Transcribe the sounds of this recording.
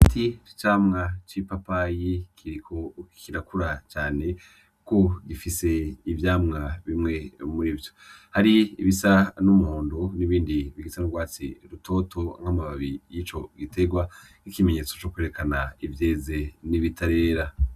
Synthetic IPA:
tʰit͡ʃaːmŋat͡ʃipapajikʰiɾikʰokiɾakuɾat͡ʃaːne̞ | ko̞ɡifise̞ivjaːmŋaβimŋe̞muɾiːvjo̥haɾiiβisanumuhoːndo̞niβiːndiβiɡisanuɾɡwaːt͡sḭɾuto̞ːto̞ŋhamaβaβijiːt͡ʃo̞ɡite̞ɡwa | n̥ikime̞ɲe̞ːt͡so̞t͡ʃo̞kweɾe̞kanaivje̞ːze̞niβitʰaɾe̞ːɾa

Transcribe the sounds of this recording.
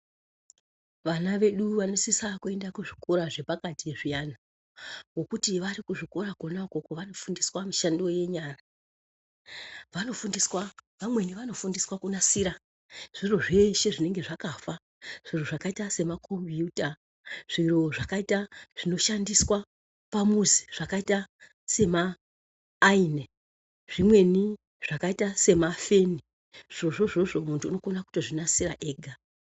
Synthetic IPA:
ʋanaʋe̞ɗuʋano̞sisakue̞ndakuʐiko̞ɾaʐe̞pakatieʐijana | ŋɡo̞kutiʋaɾikuʐiko̞ɾakonakokoʋano̞fundiswamiʃando̞je̞ɲaːra | ʋano̞fundiswaʋamwe̞niʋano̞fundiswakunasiɾa | ʐ̥iro̞ʐeʃe̞ʐine̞ŋɡe̞ʐakafa | ʐ̥iroʐakaitase̞makʰombiuta | ʐ̥iro̞ʐakaitaʐ̥ino̞ʃandiswa | pamuzi̥ʐ̥akaita | se̞maː | ine | ʐ̥imwe̞ni | ʐ̥akaitase̞mafe̞ni | ʐ̥iro̞ʐo̞ʐo̞ʐo̞muntʰuːno̞konaku̥tiʐinasiɾa̰ʔe̞ːɡʱa

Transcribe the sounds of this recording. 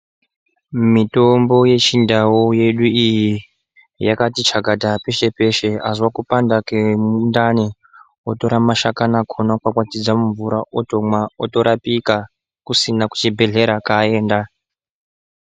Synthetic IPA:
mito̞mbo̞je̞t͡ʃindawoje̞ɗuiji | jakatit͡ʃaɡʱadʱape̞ʃe̞pe̞ʃe̞azwakupandakemundane | oto̞ɾamaʃakanakʰonakwakwatid͡zamuɱvuɾaoto̞mwaotoɾapika | kusinaku̥t͡ʃibʱe̞ɮe̞ɾakae̞ːnda

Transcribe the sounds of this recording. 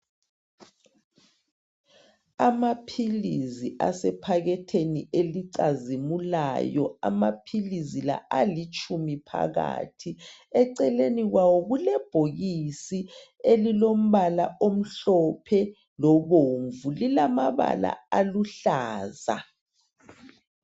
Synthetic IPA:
amapʰiliziʔa̰sɛpʰaɣɛtʰenieliǀazimula̰jɔ̰a̰mapʰilizila̰alit͡ʃʰʼumipʰa̰ɣa̰ːtʰiɛǀɛleniɣwawɔɣulɛb̥ʱoɣisielilom̩βalaʔom̩ɬɔpʰɛ | lɔβoɱvulilamaβa̰la̰aluɬaːza̰

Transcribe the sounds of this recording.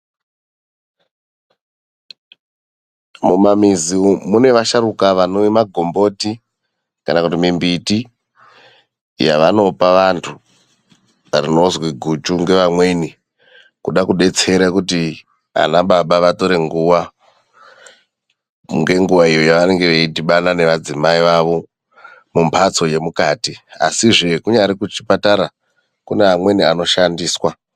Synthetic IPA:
mumamizimune̞ʋaʃaɾukaʋanoimaɡʱo̞mbo̞ti | kanakutimimbiti | ja̰ʋano̞paʋantʰu | arino̞zwiɡʱut͡ʃuŋɡe̞ʋamwe̞ni | kuɗakuɗe̞t͡se̞ɾakuti | a̰naɓaɓaʋato̞ɾe̞ŋɡuʋa | ŋɡe̞ŋɡuʋaijojaʋane̞ŋɡe̞ʋeitiɓanane̞ʋad͡zimaiʋaʋo̞ | mumpʰat͡so̞je̞mukaːtia̰siʐe̞kuɲaɾikut͡ʃi̥pataɾa | kuneamwe̞niano̞ʃandiːswa

